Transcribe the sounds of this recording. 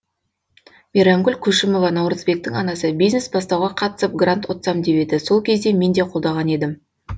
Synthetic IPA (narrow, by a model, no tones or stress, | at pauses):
miɾaŋɡʲʏlʲkʲʰɵʃɪmo̞vɑnɑwɾəzbe̞k̚t̪ɪŋɑnɑsəbijzne̞sbɑs̬t̪ɑwʁɑqʰɑt̪ə̥səp̚ɡrant̪wo̞t̪sɑmd̪e̞pe̞d̪ɪso̞lˠkʲʰe̞zd̪e̞me̞nd̪e̞qʰolˠd̪ɑʁɑne̞d̪ɪm